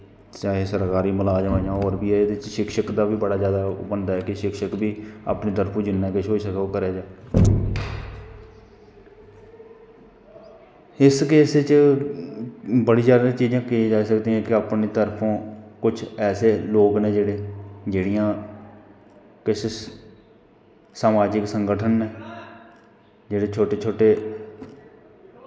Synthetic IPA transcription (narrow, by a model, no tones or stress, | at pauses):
t͡ʃaːɦeːsəɾkaːɾiːməlaːd͡ʒʋãːd͡ʒãːɔːɾbiːɛd̪ɪt͡ʃʃɪkʃəkd̪aːbiːbəɽaːzjaːd̪aːbənd̪aːɦɛːkɪʃɪkʃəkbiːa̰ːpneːt̪əɾpʰõːd͡ʒɪnːãːkɪʃɦoːisəkːkəɾeːd͡ʒaː | ɪskeːset͡ʃ | bəɽiːd͡ʒaːd̪ãːt͡ʃiːd͡ʒãːkɪĩːd͡ʒaːisəkd̪iːɛ̃ːkɪaːpneːt̪əɾpʰõːkʊt͡ʃʰɛːseːloːkneːd͡ʒeːɽeːd͡ʒeːɽijãː | kɪs | saːmaːd͡ʒɪksəŋɡəʈʰənːeː | d͡ʒeːɽeːt͡ʃʰoːʈeːt͡ʃʰoːʈeː